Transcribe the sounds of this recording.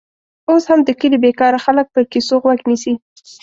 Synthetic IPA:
oshamd̪əkəlibekɑɾaxalək̚pəɾkisoɣwaɡnisi

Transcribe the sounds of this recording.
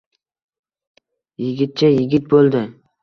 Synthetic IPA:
jɪɡʲɪt̪̚t͡ʃʰajɪɡʲɪt̪̚bolˠd̪ɪ

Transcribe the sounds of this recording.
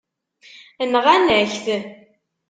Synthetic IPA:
ənʁanæçθ

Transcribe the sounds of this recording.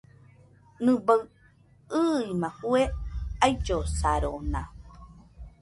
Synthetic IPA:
nɨ̃baɰ | ɨimãhueajd͡ʒosaɾona

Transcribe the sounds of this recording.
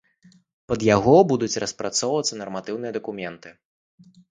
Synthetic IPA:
pɐd̪jaɣɔbud̪ut͡sʲrɐspɾat̪sɔwvɐt̪sːɐnɐrmat̪ɨwnɨjɐd̪ɐkumʲɛnt̪ɨ

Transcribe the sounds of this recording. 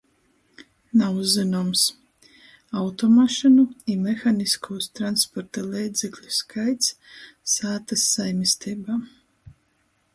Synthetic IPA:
nauzːinums | awt̪ɔmaʃɨnuimɛxaniskʰuːst̪ɾanspɔɾt̪alˠiːd̪zʲɛklʲuskʰajt̪ssaːt̪asːajmʲist̪ʰiːbaː

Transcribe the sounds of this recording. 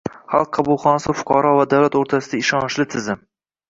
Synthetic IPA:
χɑ̰lˠqʰːɑbʊlˠχɒnasɪfʊ̥qʰɑɾɒvad̪awlat̪oɾt̪ʰasɪd̪aɪʃɒnʃlɪt̪ʰɪzɪm

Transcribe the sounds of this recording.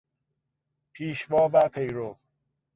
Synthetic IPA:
pʰiːʃvɒːvæpʰe̞jɾov

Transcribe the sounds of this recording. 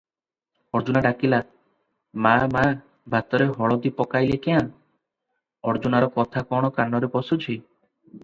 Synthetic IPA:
ɔɾd͡ʒunaɖakila | mama | bʱat̪ɔɾeɦɔɭɔd̪ipɔkajlekean | ɔɾd͡ʒunaɾɔkɔt̪ʰakɔɽ̃ɔkanːɔɾepɔsut͡ʃʰij

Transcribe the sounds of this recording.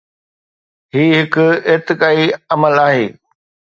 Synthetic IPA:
ɦiːɦɪkʊɪːt̪ɪkaːiɐməlaːɦeː

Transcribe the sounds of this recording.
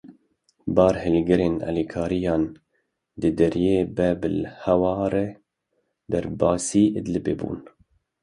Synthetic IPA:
bɑːɾhɪlɡɪɾeːnɑ̰ːliːkʰɑːɾijɑːn | d̪ɨd̪ɛɾjeːbɛbɨlhɛwɑːɾɛ | d̪æɾbɑːsiːʔəd̪lɨbeːbṵːn

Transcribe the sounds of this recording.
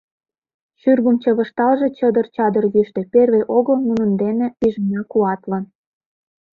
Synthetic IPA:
ʃyrɣəmt͡ɕə̆βə̆ʃt̪ɑlʒe̽t͡ɕəd̪ərt͡ɕɑd̪ərjyʃt̪ĕperβeʔoɣɤlmunə̆nd̪enepiʒənɑkuɑt̪lən

